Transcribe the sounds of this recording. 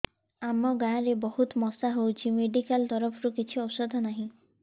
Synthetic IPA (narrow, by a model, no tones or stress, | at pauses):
amɔɡãɾebɔɦut̪mɔsaɦowt͡ʃʰimeɖikalt̪ɔɾɔpʰɾukit͡ʃʰiɔsɔd̪ʱɔnaɦĩ